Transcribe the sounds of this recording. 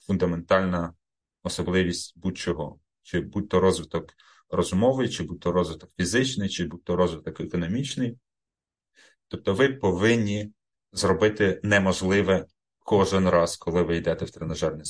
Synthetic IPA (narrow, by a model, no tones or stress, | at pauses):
fund̪ɐme̞nt̪ɑlʲnɐ | ɔsɔblˠɪʋʲisʲtʲbut͡ʃɔɦɔ̰ | t͡ʃɪbut̪ːɔɾɔzʋɪt̪ɔk | rɔzmɔʋɪjt͡ʃɪbut̪ːɔɾɔzʋɪt̪ɔkfʲizɪt͡ʃnɪjt͡ʃɪbut̪ːɔɾɔzʋɪt̪ɔkɛkɔnɔmʲit͡ʃnɪj | t̪ɔp̚t̪ɔʋɪpɔʋɪnʲːi | zrɔbɪt̪ɪnɛmɔʒlˠɪʋɛ | kʰɔʒɪnrɑskʰɔlˠɪʋɪjd̪ɛt̪ɛwt̪ɾenɐʒɑrnʲi